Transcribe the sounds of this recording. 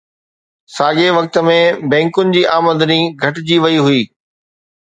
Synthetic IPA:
saːɡeʋɐk̚t̪ə̆mẽbɛ̃ːŋkʊnɪ̆d͡ʑiːʔaːmə̃nd̪əniɡʱɐʈ̆d͡ʑiːʋɐiɦʊiː

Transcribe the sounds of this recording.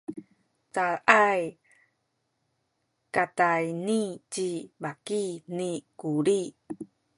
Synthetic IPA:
t͡salʔaj | katajnit͡ɕibakinikuɾi

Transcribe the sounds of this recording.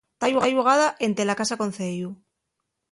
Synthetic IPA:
t̪ajuaʎuɣaðaʔe̞nt̪elakasako̞n̟θeju

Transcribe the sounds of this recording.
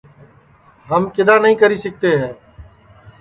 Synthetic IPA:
ɦəmkɪd̪aːnəɦĩːkəɾiːsək̚t̪eːɦɛ̃ː

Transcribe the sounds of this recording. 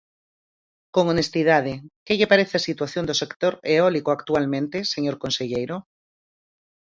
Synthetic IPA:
koŋonest̪ið̞að̞ekeʎepaɾeθeasit̪waθjond̪osekt̪oɾeɔlikoakt̪ualmẽnt̪eseɲoɾkonseʎejɾo

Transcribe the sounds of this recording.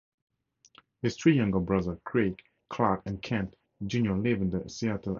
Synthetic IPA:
hɪst̪ʰɹijʌ̃ŋɡəbɹʌðəkʰɹek | kʰlakɛ̃nkʰæ̃nt | d͡ʒũnjɔlɪvɪ̃ndəsiatʰəl

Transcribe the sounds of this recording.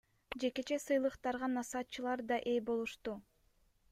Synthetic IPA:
d͡ʒe̞ke̞t͡ʃe̞sɯjlˠɯqt̪ɑɾʁɑnɑsɑt̪̚t͡ʃɯlˠɑɾd̪ɑʔe̞jbo̞lˠuʃt̪u

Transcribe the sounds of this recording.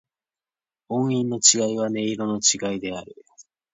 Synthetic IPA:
õ̞ɰ̃ĩnːo̞t͡ɕiɡaiβ̞ane̞iɾo̞no̞t͡ɕiɡaid̪e̞aɾɯ̟

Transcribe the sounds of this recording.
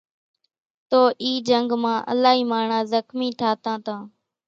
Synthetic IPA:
t̪oːʔiːd͡ʒəŋɡmãːʔə̰laːɦiːmaːɳãːzəxmiːt̪ʰaːt̪ãːt̪ãː

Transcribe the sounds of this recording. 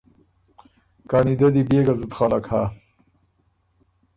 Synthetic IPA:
kanid̪ɐd̪ibeɡazut̪χalakha

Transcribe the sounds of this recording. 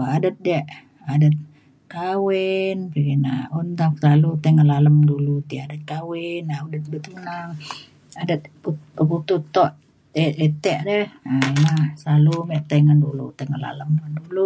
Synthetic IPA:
adət̪̚dɛʔ | adət̪̚ | kawenpiɡina̰unt̪amkəsalut̪aŋənlaləmdulut̪iadət̪̚kawɪnaʔudət̪̚bət̪unaŋ | adət̪̚puəbut̪ut̪ɔʔ | eet̪ɛʔdɛaimaslalumɛʔt̪aŋandulṵt̪aŋaʔla̰ləmdandulu

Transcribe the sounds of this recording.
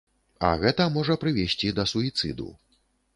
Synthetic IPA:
ɐ̰ɣɛt̪ɐmɔʐɐpɾɨvʲɛsʲt͡sʲid̪ɐsuit̪sɨ̰d̪ṵ

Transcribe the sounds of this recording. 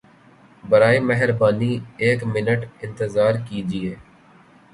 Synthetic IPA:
bɐɾaːimɛɦəɾbaːnieːkmɪnəʈɪ̃nt̪əzaːɾkiːd͡ʒɪeː

